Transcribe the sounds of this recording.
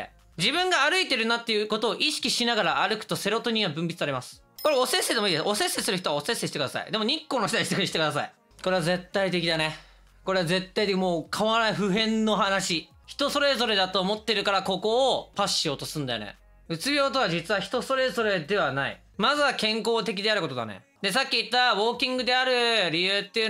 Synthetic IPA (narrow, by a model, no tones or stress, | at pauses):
d͡ʑibɯ̟̃ŋɡaːɾɯ̟it̪e̞ɾɯ̟nat̪ːe̞jɯ̟ːko̞t̪o̞ːʔiɕi̥kʲiɕinaɡaɾaʔaɾɯ̟kɯ̟̥t̪o̞se̞ɾo̞t̪o̞ɲ̟iβabɯ̟̃mbʲi̥t͡sɨ̥aɾemasɨ̥ | ko̞ɾeosesed̪emoiːd̪esʔo̞sẽ̞sesɨɾɯçit̪oaosẽsːeɕi̥t̪ekd̪asa̰ḭd̪e̞mo̞ɲ̟ikːo̞ːnoçit̪aiɕit̪ekɯi̥t̪ekɯd̪asai | ko̞ɾe̞aze̞t̪ːait̪e̞kʲid̪ane̞ | ko̞ɾe̞aze̞t̪ːait̪ekʲimoːkʰaβanaiɸɯ̟ɦẽ̞nːo̞ɦanaɕi | çi̥t̪o̞so̞ɾe̞zo̞ɾe̞d̪at̪o̞ːmo̞t̪ːe̞ɾɯkaɾako̞ko̞ːpaɕːijo̞ːt̪osɨ̃nd̪ajo̰nḛ | ɯ̟t͡sɨbʲjo̞ːt̪o̞βad͡ʑit͡sɨβaçi̥t̪o̞so̞ɾe̞zo̞ɾe̞d̪e̞βanaḭ | mazɨβakẽ̞ŋko̞ːt̪e̞k̬ʲid̪e̞aɾɯ̟ko̞t̪od̪a̰nḛ | d̪e̞s̬akʲːiːt̪ːaβo̞ːkʲĩŋɡɯ̟d̪e̞aɾɯ̟ɾʲijɯ̟ːt̪ːe̞ɯ̟